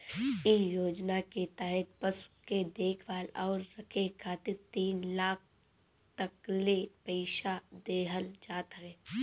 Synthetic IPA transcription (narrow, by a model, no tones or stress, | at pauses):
ɪjoːd͡ʒnaket̪ɛɦɪt̪̚pəsked̪eːkʰʋaːlɔːɾːɐkʰekʰaːt̪ɪɾt̪iːnlaːk̚ʰ | t̪əklepɛɪʃad̪eːɦəld͡ʒaːt̪ɦɛ̃ː